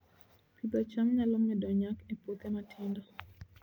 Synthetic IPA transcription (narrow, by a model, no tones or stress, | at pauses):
pʰibat͡ʃamɲalɔmːɛdɔɲakɛpok̪ɛmatʰɪnda